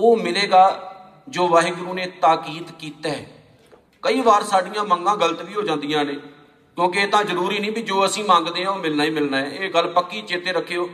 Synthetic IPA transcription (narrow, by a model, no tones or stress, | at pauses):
oːmɪleːɡaː | d͡ʒoːʋaːɦiːɡʊɾuːneːt̪aːkiːt̪kiːt̪ɛːɛː | kəiːʋaːɾsaːɖɪjãːməŋɡãːɡələt̪ʋiːɦoːd͡ʒãːnd̪ɪjãːneː | kjõːkɪeːt̪ãːzəɾuːɾiːnĩːbiːd͡ʒoːəsĩːmãːŋɡd̪eːãːoːmɪlnaːiːmɪlnaːɛːeːɡəlːpəkːiːt͡ʃeːt̪eːɾəkʰːeoː